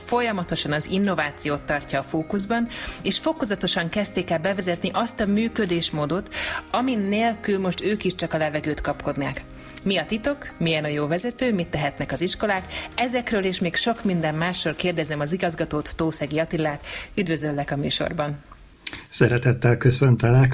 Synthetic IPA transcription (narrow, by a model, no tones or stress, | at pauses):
fo̞jɒmɒt̪o̞ʃɒnɒzinːo̞vaːt̪sijoːt̪ːɒrcːɒːfoːkuzbɒneːʃfo̞ko̞zɒt̪o̞ʃɒŋkɛst̪eːkɛlbɛvɛzɛt̪niʔɒst̪ɒmyːkø̞d̪eːʃmoːd̪o̞t̪ɒminːeːlkylmo̞ʃt̪øːkiʃt͡ʃɒkɒlɛvɛɡøːt̪kɒpko̞d̪naːk | miɒt̪it̪o̞kmijɛnɒjoːvɛzɛt̪øːmit̪ːɛɦɛt̪nɛkɒziʃko̞laːkɛzɛkrøːleːʃmeːkʃo̞kmind̪ɛmːaːʃːorkeːrd̪ɛzɛmɒziɡɒzɡɒt̪oːt̪ːoːsɛɡijɒt̪ilːaːt̪yd̪vø̞zølːɛkɒmyːʃo̰rbɒn | sɛɾɛt̪ɛt̪ːɛlkøsønt̪ɛlɛk